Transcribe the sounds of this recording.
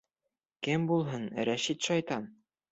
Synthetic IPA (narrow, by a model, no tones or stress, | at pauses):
kɘmbulˠɦɤnɾæʃit̪ʃɑjt̪ɑn